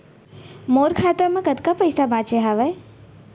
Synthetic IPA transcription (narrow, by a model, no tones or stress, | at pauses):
moːɾkʰaːt̪əɾmɐ̃kɐd̪kapəjsabãːt͡ʃeɦaʋəj